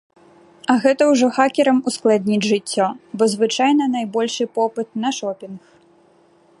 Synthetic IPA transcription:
ɐɣɛt̪ɐwʐɔxakʲɛɾɐmusklˠad̪ʲnʲid͡zʲʐɨt͡sʲːɔbɔzvɨt͡ʂajnɐnajbɔlʲʂɨpɔpɨt̪nɐʂɔpʲinx

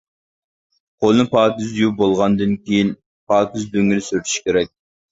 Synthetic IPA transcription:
qʰolˠɨnɨpʰɑːkʲyzjubolˠʁɑnd̪ɨnkʲʰejin | pʰɑːkʲyzd̪øŋilɪsyɾt̪ʰy̥ʃkʲʰeɾɛk̚ʲ

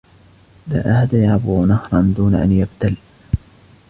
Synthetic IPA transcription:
la̰ːʔahd̪ajʕabʊnahɾˤɑnd̪uːnaʔa̰njabd̪al

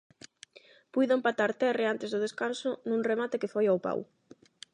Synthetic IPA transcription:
pujðʊoempat̪aɾt̪ɛreant̪ezðʊð̞eskansʊnũŋremat̪ɪkɪfojawpa̰w

